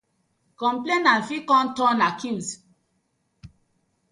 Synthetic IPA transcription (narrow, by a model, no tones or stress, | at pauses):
kɔ̃mplenanfikɔ̃ntɔ̃nakĩms